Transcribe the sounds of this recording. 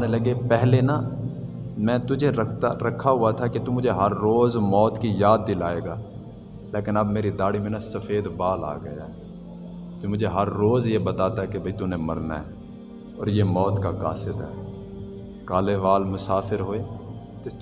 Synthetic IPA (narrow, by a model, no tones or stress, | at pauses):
nelɐɡepɛɦlena | mɛ̃ːt̪ʊd͡ʒʱeɾɐkʰːaɦʊat̪ʰaket̪umʊd͡ʒʱeɦɐɾːoːzmɔːt̪kijaːd̪̚ːɪlaːeːɡaː | leːkɪnɐbmeːɾid̪aːɽimẽnasɐfeːd̪baːla̰ːɡə̰ja̰ɦɛ | t̪omʊd͡ʒʱeɦɐɾːoːzjebɐt̪aːt̪aɦɛkebʱɐit̪ʊnẽmɐɾna̰ɦɛː | ɔːɾjeːmɔːt̪kaka̰ːsɪd̪ɦɛː | kaːleʋaːlmʊsaːfɪɾɦoːeː | t̪o